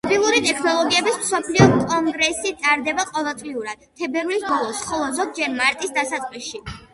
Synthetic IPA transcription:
mɔbilˠuɾit̪ʼɛkʰnɔlˠɔɡiɛbismsɔpʰliɔkʼɔŋɡɾɛsit̪sʼaɾd̪ɛbaqʼɔvɛlˠt̪ʼliuɾad̪̥̚t̪ʰːɛbɛɾlisbɔlˠɔsχɔlˠɔzɔd̪̚d͡ʒɛɾmaɾt̪ʼisd̪asat̪sʼqʼlisʃi

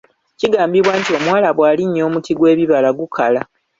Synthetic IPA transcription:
ciɡaːmbiβwaːntio̞mwaːlaβwaːliɲːo̞ːmutiɡwe̞ːβiβalaɡukʰala

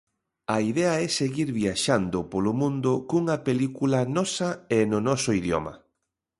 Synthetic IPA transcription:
ɐiðeɐɛseɣiɾβiaʃand̪ʊpolʊmũnd̪ʊkuŋɐpelikulɐnɔsɐenʊnɔsʊiðjɔ̰mɐ̰

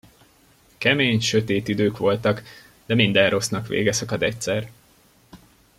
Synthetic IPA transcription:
kɛmeːɲʃø̞t̪eːt̪id̪øːkʋo̞lt̪ɒk | d̪ɛmind̪ɛnro̞snɒkʋḛːɡɛsɒkɒd̪ɛc̚sɛr

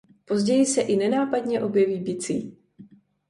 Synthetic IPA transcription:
po̞zɟɛjɪsɛʔɪnɛnaːpadɲɛʔo̞bjɛviːbɪt͡sḭː

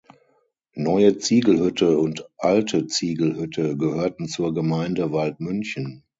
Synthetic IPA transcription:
nɔʏət͡siːɡl̩hʏtʰəʊntʔaltʰət͡siːɡl̩hʏtʰəɡəhøːɐtn̩t͡suːɐɡəmaɪndəvaltmʏnçən

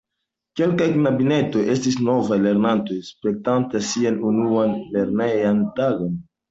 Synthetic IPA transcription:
ke̞lkajknabine̞to̞jʔe̞stis̬no̞vajle̞ɾnanto̞jspe̞k̚tantasianunuanle̞ɾnejantaɡo̞n

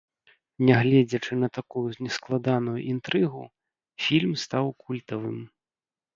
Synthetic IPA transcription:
nʲɛɣlʲɛd͡zʲɐt͡ʂɨnɐt̪akujunʲɛsklˠad̪anujṵʔint̪ɾɨɣu | fʲilʲmst̪awkulʲt̪ɐvɨ̰m

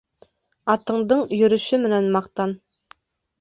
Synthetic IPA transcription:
ɑt̪ɤ̆ɴd̪ɤɴjɵ̆ɾɵ̆ʃɘmɪ̆nænmɑqt̪ɑn

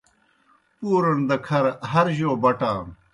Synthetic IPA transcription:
puːɾɐnd̪ɐkʰɐɾɦɐɾʑoːbɐʈaːm

